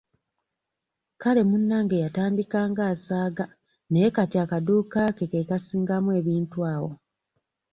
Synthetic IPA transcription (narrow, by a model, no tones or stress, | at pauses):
kale̞munːaːŋɡejataːmdikaːŋɡaːsaːɡa | nejekatiakaduːkaːkekekasiːŋɡamuwe̞ːβiːntwaːwo̞̰